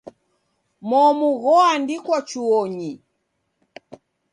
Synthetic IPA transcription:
mɔmuɣɔandikwat͡ʃuɔɲi

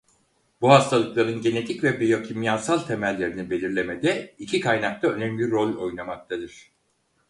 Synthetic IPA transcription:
buɦast̪ʰalˠɯklˠaɾɯnɟe̞ne̞t̪ʰicvɛbejo̞cʰimjaːsalˠt̪ʰe̞mælʲːe̞ɾinibe̞lʲiɾlʲe̞med̪ɛicʰikʰajnak̚t̪ʰaø̞nɛmlʲiɾo̞lʲo̞jnamak̚t̪ʰad̪ɯɾ̥

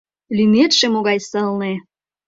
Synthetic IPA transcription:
lymet̪ʃemoɣɑjsəlne

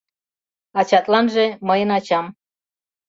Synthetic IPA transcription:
ɑt͡ɕɑt̪lɑnʒeməjənɑt͡ɕɑm

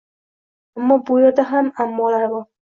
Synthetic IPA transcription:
amːɒbʊjɒd̪aɦamamːɒlaɾbɒ

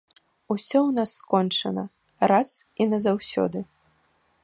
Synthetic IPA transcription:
usʲɔwnasːkɔnt͡ʂɐ̰nɐ̰ | ɾasinɐzawsʲɔ̰d̪ɨ

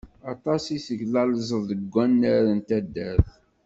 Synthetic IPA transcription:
ɑt̪ˤɑsiθəʝlɑlzˤəðəɡʷːænːæɾənt̪æd̪ːæɾθ

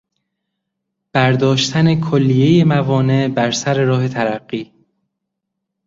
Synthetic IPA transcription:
b̥æɾd̪ɒːʃt̪ʰæne̞kʰolːije̞jemævɒːne̞bæɾsæɾe̞ɾɒːɦe̞t̪ʰæɾæɡːiː

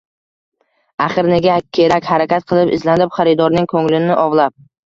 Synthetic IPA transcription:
aχɨɾneɡʲakʲʰe̞ɾakʲhaɾakʲat̪̚qʰɨlˠɪpɪ̰zlanɪpχɑɾɪd̪ɒɾnɪŋkʰɵŋlɪnɪʔɒvlˠap̚

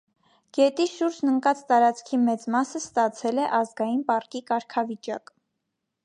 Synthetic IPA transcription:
ɡ̥ɛt̪iʃuɾd͡ʒnəŋkɑt͡st̪ɑɾɑt͡skʰimɛt͡smɑsəst̪ɑt͡sʰɛlɛʔɑzɡɑjinpɑrkikɑɾkʰɑvit͡ʃɑk

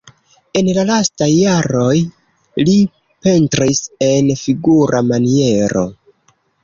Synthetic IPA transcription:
e̞nlalastajːaɾo̞j | li | pe̞ntɾise̞nfiɡuɾʔamanie̞ɾo̞̰

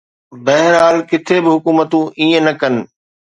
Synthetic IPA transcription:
bɛɦɪɾɦaːlkɪt̪ʰebɪɦʊkuːmət̪ũʔiːə̃nɐkɐnɪ̆

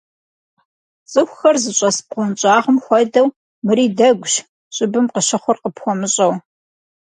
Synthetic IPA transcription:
t͡sʼɨxʷxɐrzɨɕʼɐsp̚qʷɔnt͡ʃʼaːʁəmxʷɐdɐw | mɨɾiːdɐɡʷʊɕ | ɕʼɪbɨmqəʃɐχʷʊrqəpxʷɔmɨɕʼɐw

